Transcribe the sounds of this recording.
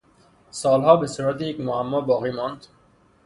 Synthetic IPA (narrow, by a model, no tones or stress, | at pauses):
sɒːlɦɒːbesuːɾæt̪ʰejecmohæmːɒːbɒːɣiːmɒːnd̪